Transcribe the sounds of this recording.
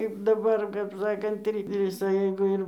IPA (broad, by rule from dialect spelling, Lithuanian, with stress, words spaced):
kɐɪp ˈdɑːbɐr kɐp ˈsɑːkɐnt ˈʋʲɪsɐ jɛɪɡʊ ˈɪr